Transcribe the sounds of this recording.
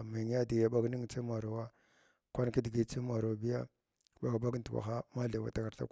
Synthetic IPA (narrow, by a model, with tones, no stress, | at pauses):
mi˨ŋ˦ja˦di˨ja˦ba˦ɡni˦ŋ˨t͡si˦ma˨ɾa˨wa˦ | kʷa˦n˦ki˦di˨ɡi˦t͡si˦ma˨ɾo˨bi˦ja˦ | ba˨ɡba˦ɡtwʷa̰˨xa˦ma˦ɮa˨wa̰˨ta˦ka˨ɾɬa̰˦k